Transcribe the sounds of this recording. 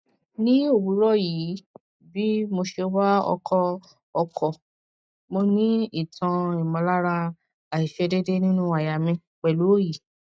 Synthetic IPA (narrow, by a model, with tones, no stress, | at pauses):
nĩ˦o˦˨bu˨˦ɾɔ˦ji˨˦ | bi˦mo˧ʃe˧o˦ba˦ɔ̰˧kʰɔ˧ | ɔ˧kʰɔ˨ | mo˧nĩ˦i˦˨tʰã˧i˨mɔ̃˧la˦ɾa˧ | a˨i˨ʃɛ˧de˦de˦nĩ˦nũ˦a˨ja˨mĩ˧ | k͡pɛ˨lu˨˦o˦ji˨